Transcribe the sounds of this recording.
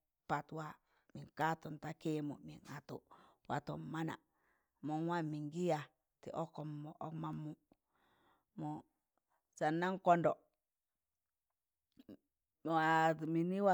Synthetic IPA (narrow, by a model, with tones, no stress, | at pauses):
pa˨twa˦ | mi˨ŋka˦to˨nta˦ke˦mṵ˨mḭ˨ŋa˨tṵ˨wa̰˨to˨ma˦na̰˨ | mo˨nwa˦mi˨ŋɡi˦ja˨ | tḭ˨ʔo˦kːo˨mːo˨ʔo˦kma˨mːu˨ | mo˨ | sa˨nːa˦ŋko˦ndo˨ | a˨mi˨ni˦wa˦